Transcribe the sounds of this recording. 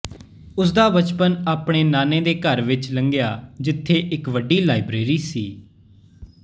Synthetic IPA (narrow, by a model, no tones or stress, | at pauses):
ʊs̬d̪aːbət͡ʃpənaːpɽ̃eːnaːnẽːd̪eːkəɾʋɪt͡ʃləŋɡjaːd͡ʒɪt̪ʰːeːʔɪkʋəɖiːlaːɪbɾeːɾiːsiː